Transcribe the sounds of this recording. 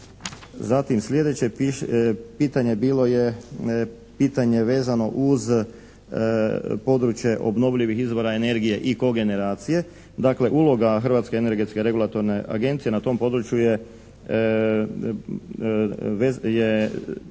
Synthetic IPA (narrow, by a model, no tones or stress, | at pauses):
zat̪imslʲje̞d̪e̞t͡ɕe̞ | piːt̪aɲe̞biːlo̞je | piːt̪aɲe̞ʋe̞ːzano̞ʔuz | po̞d̪ɾut͡ʃje̞ʔo̞̰bno̞ʋʎiʋixizʋo̞ɾaene̞ɾɡije̞ʔiko̞ɡe̞ne̞ɾaːt̪sije̞ | d̪aːkle̞ʔuːlˠo̞ɡaxr̩ʋat̪ske̞ene̞ɾɡe̞t̪skeɾe̞ɡulˠat̪o̞ɾne̞ʔa̰ɡe̞nt̪sije̞nat̪o̞mpo̞d̪ɾut͡ʃjuje | eje